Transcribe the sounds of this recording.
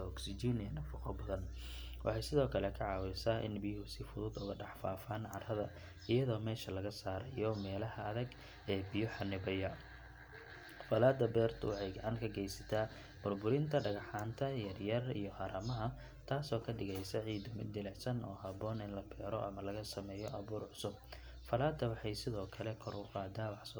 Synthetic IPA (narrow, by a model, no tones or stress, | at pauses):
ɔksɪd͡ʒinɪɐnɐfʊqɔbɐðɐnwʔɑ̰ħɑjsɪðɔːkʰɐlɛkʰɐʕɑːwɛjsaːʔɪ̰nbɪjhʊsɪfʊðʊd̪ʊɣɐɖɑħfaːfaːnʕɑ̰rrɐðɐ | ʔɪjɐðɔːmɛːʃɐlɐɣɐsaːɾɐ̰jɔmɛːlɐhɐːðɐɡ | ɛːbɪjɔħɑnːɪβɐjɐ | fɐlaːd̪ɐbɛːrt̪ʰʊ̰wɑħɑjɡɐʕɑŋkʰɐɡɛjsɐ̥t̪ʰaː | b̥ʊrbʊɾɪnt̪ʰɐɖɐɣɑħaːnt̪ʰɐjɐrjɐrḭjɔhɐɾɐmɐɦɐ | t̪ʰaːsɔːkʰɐɖɪɣɛjsɐʕiːd̪ʊmɪd̪ɪlɛʕsɐnʔɔ̰ːɦɐβɔːnɪnlɐkʰɛːɾɔʔɐ̰mɐlɐɣɐsɐmɛːjɔʔɐβuːrʕʊsʊb̚ | fɐlaːd̪ːɐwɑħɑjsɪðɔːkʰɐlɛkʰɔɾʊqɑːd̪aːwɑħsɔ